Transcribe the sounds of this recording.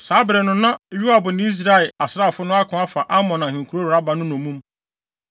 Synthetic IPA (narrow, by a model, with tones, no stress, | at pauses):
saː˨˦bɾɛ˨nʊ̃˦nã˦˨˦ɥu˦a˨bʊ˨ñ˦i˦s̬ɾa˦ɪ˨a˨sɾa˦˨fʊ˦nʊ̃˦a˦kʰʊ̃˨˦a˦fa˨ʔa˦mɔ̃˨nã˨hĩ˨ŋ̩˨kʰu˨ɾo˦ɾa˦ba˨nʊ̃˦nʊ̃˨mũ˦m